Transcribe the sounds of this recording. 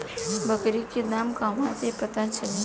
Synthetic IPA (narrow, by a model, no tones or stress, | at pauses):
bəkɾikid̪aːmkaːʋãt̪epət̪ãnt͡ʃəli